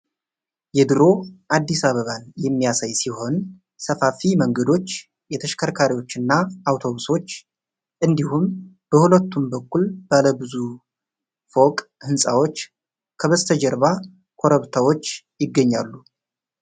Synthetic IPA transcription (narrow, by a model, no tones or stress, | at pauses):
jɛd̪ɨɾo̞ʔad̪ːisaβəβanjɛmːijasajsiɦo̞n | səfafiməŋɡəd̪o̞t͡ʃː | jɛt̪ʰəʃkʰəɾkʰaɾiwo̞t͡ʃːɨnːaawt̪ʰo̞βuso̞t͡ʃː | ʔɨnd̪ihum | b̥əhulət̪ːumbəkːulb̥aləbɨzu | fo̞kʼhɨnsʼawo̞t͡ʃː | kʰəβəzt̪ʰəd͡ʒɛɾba | kʰo̞ɾəβt̪ʰawo̞t͡ʃː | jɪɡːəɲːalːu